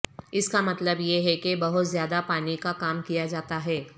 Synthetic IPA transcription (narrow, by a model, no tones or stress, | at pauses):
ɪskamɐt̪ləbjeɦɛkebɐɦʊt̪zjaːd̪apaːnikakaːmkijad͡ʒaːt̪aɦɛː